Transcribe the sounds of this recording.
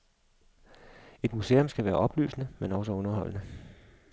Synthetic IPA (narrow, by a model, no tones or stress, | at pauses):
e̝d̥muse̝̰ːomsɡ̥æʋæːɐʔɒ̽b̥ly̰ːsnəmenɒ̽s̬ɒɔ̽nɐɦɒ̽l̰nə